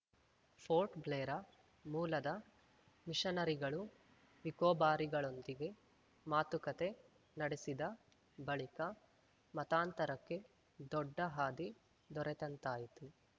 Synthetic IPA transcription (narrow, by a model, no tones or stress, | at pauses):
pʰoːɾʈbleːɾɐ | muːlɐd̪ɐ | miʂɐnɐɾiɡɐɭu | ʋikɔːbaːɾiɡɐɭo̞nd̪iɡe̞ | maːt̪ukɐt̪e̞ | nɐɽesid̪ɐ | bɐɭikɐ | mɐt̪aːnt̪ɐɾɐkːe̞ | d̪ɔɖːɐɦaːd̪i | d̪ɔɾɛt̪ɐnt̪aːjit̪u